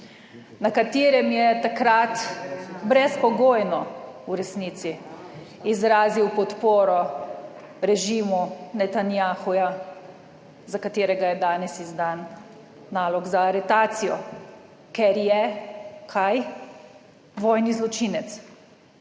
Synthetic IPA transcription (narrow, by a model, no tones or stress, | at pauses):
nakat̪eːɾɛmjɛt̪akɾat̪bɾɛspɔɡoːjnɔuɾɛsniːt̪si | izɾaːziwpɔt̪poːɾɔ | ɾɛʒiːmunɛt̪anjaːxuja | zakat̪eːɾɛɡajɛd̪aːnɛsizd̪anː | aːlɔɡzaːɾɛt̪aːt̪sijɔ | kɛɾjɛkʰaj | ʋɔːjnizlɔt͡ʃiːnɛt̪s